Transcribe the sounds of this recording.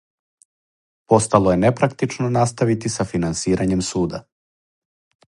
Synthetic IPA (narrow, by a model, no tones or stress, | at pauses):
po̞st̪alˠoje̞nepɾak̚t̪it͡ʃnonast̪aʋit̪isafinansiːɾʔaɲe̞msuːd̪a